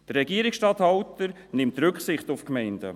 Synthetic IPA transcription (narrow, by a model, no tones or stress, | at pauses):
d̥ərːɛɡiəɾɪksʃtɑːthawtəɾ | nɪmtɾʏkχsɪχtʊfkmɛɪnd̥ə̰